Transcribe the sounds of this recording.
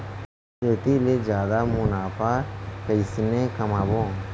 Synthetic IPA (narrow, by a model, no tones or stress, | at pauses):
eːt̪iled͡ʒjaːd̪amʊnaːfʰakəɪsnẽkɐmaːbõː